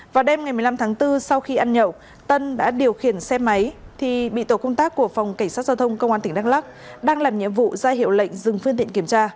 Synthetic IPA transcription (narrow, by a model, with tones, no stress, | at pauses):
vaː˨˩ɗe˧mŋa˨˩jmɨ˨˩jla˧mt̪ʰaː˨˦ŋt̪ɨ˧sa˧wxi˧ʔaː˧nɲə̰˧˨w | t̪ə˧nɗa̰ː˧˥ɗi˨˩əwxi˨˧˩ənsɛ˧ma˨˦jt̪ʰi˨˩ɓḭ˧˨t̪o˧˩kə˧wŋ͡mt̪aː˦˥kːu˧˩əfa˨˩wŋ͡mka˧˩jŋ̟saː˦˥t̚zaː˧wt̪ʰə˧wŋ͡mkə˧wŋ͡mʔaː˧nt̪ï˧˩ŋ̟ɗaː˧ŋla˦˥k̚ | ɗaː˧ŋlaː˨˩mɲḭ˧˨əmvṵ˧˨zaː˧jɦḭ˧˨wlə̰˧˨jŋ̟zɨ˨˩ŋfɨ˧nt̪ḭ˧˨ə˨ŋki˧˩ə˨mt͡ɕaː˧